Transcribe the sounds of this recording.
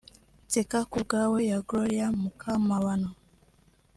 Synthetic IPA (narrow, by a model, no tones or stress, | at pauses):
tɛkakuɡawɛjaɡɾɔjamukʰamawanɔ